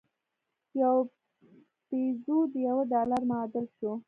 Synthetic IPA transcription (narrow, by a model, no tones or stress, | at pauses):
jaw | pezod̪jawəɖɑlaɾmɑd̪əlʃo